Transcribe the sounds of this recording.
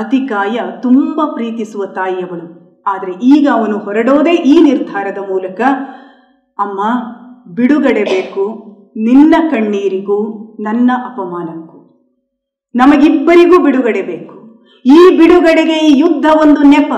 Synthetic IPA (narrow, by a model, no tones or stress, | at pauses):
ɐt̪ikaːjɐt̪umbɐpɾiːt̪isuʋɐt̪aːjːɐɡɐɭu | aːd̪ɐɾe̞ʔiːɡɐːʋɐnuhɔɾɐɽoːd̪e̞ːʔiːniɾd̪ʱaːɾɐd̪ɐmuːlɐkɐː | mːɐbiɽuɡɐɽe̞be̞ːku | ninːɐkɐɳːiːɾiɡuːnɐnːɐʔɐpɐmaːnɐŋku | nɐmɐɡibːɐɾiɡuːbiɽuɡɐɽebeːku̥ | iːbiɽuɡɐɽeɡe̞iːjud̪ʱːɐʋond̪unɛpɐ